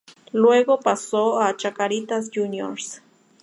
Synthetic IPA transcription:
lweɡopasoat͡ʃakaɾit̪as̬junjo̰ns

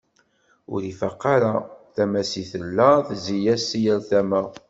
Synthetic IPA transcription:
ʊ̰ɾifaqːɑɾaθæmæsiθəlːæθzijæsijəɾθæmə

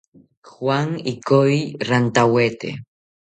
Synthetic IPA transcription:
xwaŋikoirant̪awet̪ḛ

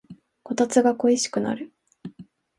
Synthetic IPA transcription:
ko̞t̪at͡sɨɡako̞iɕi̥kɯ̟na̰ɾɯ̟

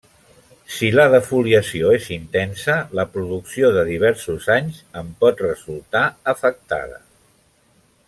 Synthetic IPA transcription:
siləðəfuliəsioezint̪ɛnsələpɾuðuksioðəðiβ̞ɛɾsuzaɲzəmpɔt̪rəzulˠt̪aəfək̚t̪a̰ðə̰

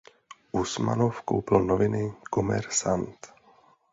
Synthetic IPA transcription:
ʔusma̰nofko̰wplnovɪnɪkomɛ̰ɾsant̪

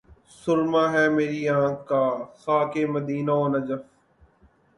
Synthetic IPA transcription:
sʊɾmaːɦɛːmeːɾiːãːkkaːsaːkeːməd̪iːnaoːnɐd͡ʒəf

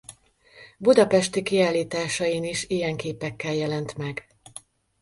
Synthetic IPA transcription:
bud̪ɒpɛʃt̪ikiaːlːiːt̪aːʃɒjiniʃijɛŋkeːpɛkːɛljɛlɛnt̪mɛɡ

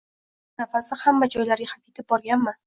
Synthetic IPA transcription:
nafasɪhamːad͡ʒɒjlaɾɡʲɪhapet̪ʰɪp̚bɒɾɡʲanmɪ

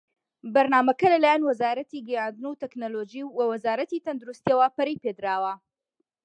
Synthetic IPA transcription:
bɐɾnaːmɐkɐlɐlaːjaːnwɐzaːɾɐt̪iɡɐjand̪ɨnut̪ɛknolod͡ʒiːwɐwɐzaːɾɐt̪iːt̪ɐnd̪uɾust̪iɐwapɐɾijped̪ɾaːwɐ

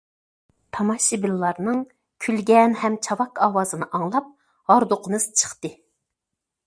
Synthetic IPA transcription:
t̪ʰɑmɑʃibilːɑɾnɨŋ | kʲʰylɡʲɛnhɛmt͡ʃʰɑwɑkɑːwɑːzɨnɨʔɑŋlˠɑp̚ | hɑɾd̪oqʰənɨz̥t͡ʃʰə̥χt̪ɨ

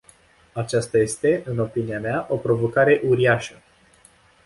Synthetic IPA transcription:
at͡ʃast̪aje̞st̪e̞ʔɨno̞piniameaʔo̞pɾo̞vo̞kaɾe̞ʔuɾiaʃə

